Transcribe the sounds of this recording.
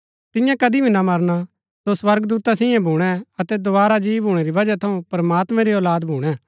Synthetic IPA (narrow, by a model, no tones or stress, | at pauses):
t̪ɪjãkɐd̪ibʱinamɐɾna | sosʋɐɾɡd̪uːt̪asɪjɛ̃bʱuːɽ̃ɛɐt̪ɛd̪obaːɾad͡ʒiːʋɦuːɽ̃eɾiʋɐd͡ʒat̪ʰɐũpɐɾmaːt̪mɛ̃ɾiɔːlaːd̪bʱuːɽ̃ɛ